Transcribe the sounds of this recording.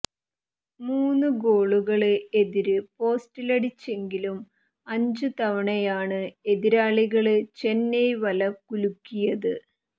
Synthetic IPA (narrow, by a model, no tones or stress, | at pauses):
muːnːɨɡo̞ːɭuɣɐɭɨe̞ðiɾɨpo̞ːstilɐɽit͡ɕːe̞ŋɡilum | ɐɲd͡ʑɨt̪ɐʋɐɳɐjaːɳɨe̞ðiɾaːɭiɣɐɭɨt͡ɕe̞nːejʋɐlɐkulukːijɐðɨ